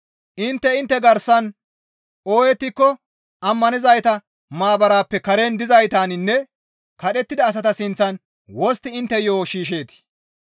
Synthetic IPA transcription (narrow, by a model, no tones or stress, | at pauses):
ʔɪnt̪ːɛɪnt̪ːɛɡɐɾsɐn | o̞ːjɛt̪ːɪkːɔ | ɐmːɐnɪzɐjt̪ɐ | maːbɐɾaːpːɛkɐɾe̞ːnd̪ɪzɐjt̪aːnɪnːɛ | kɐɗɛt̪ːɪd̪ɐːs̬ɐt̪ɐsɪnt͡sːɐn | wɔst̪ɪɪnt̪ːɛjoːʃiːʃ̬e̞ːt̪ɪ̥